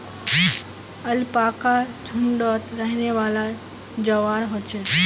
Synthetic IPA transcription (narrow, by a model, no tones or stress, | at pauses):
ɐlpaːkad͡ʒʱʊɳɖot̪ɾəɦɪneʋaːla | d͡ʒəʋaːɾɦot͡ʃe